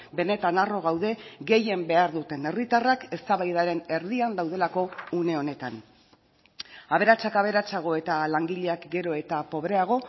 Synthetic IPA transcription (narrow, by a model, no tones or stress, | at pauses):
be̞ne̞t̪anaro̞ɣ̞awðe̞ɡe̞je̞mbe̞aɾðut̪e̞ne̞rit̪arake̞st̪aβajð̞aɾe̞ne̞ɾðiand̪awð̞e̞lako̞une̞o̞ne̞t̪an | aβe̞ɾat͡sakaβ̞e̞ɾat͡saɣ̞o̞e̞t̪alaŋɡiʎe̞akɡe̞ɾo̞e̞t̪apo̞βɾe̞aɣ̞o̞